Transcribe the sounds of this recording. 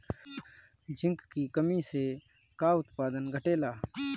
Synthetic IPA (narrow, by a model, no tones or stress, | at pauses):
d͡ʒʱɪ̃ŋkkikəmiːse | kaːʊt̪paːd̪ənɡʱəʈeːlaː